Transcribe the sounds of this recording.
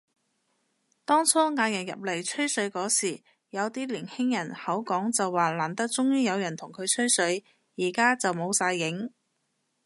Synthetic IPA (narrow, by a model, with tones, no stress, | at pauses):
t̪ɔː˥ŋt͡sʰɔː˥ŋaː˨˧jɐ˨˩njɐ̰˨p̚le˨˩jt͡ʃʰɵ˥ɥsɵ˨˥ɥkɔː˨˥siː˨˩ | jɐ˨˧wt̪iː˥liː˨˩nhɪ˥ŋjɐ˨˩nhɐ˨˥wkɔː˨˥ŋt͡sɐ˨wːaː˨laː˨˩nt̪ɐ˥k̚t͡sʊ˥ŋjiː˥jɐ˨˧wjɐ˨˩nt̪ʰʊ˨˩ŋkʰɵ˨˧ɥt͡ʃʰɵ˥ɥsɵ˨˥ɥ | jiː˨˩kaː˥t͡sɐ˨wmo˨˧wsaː˧jːɪ˨˥ŋ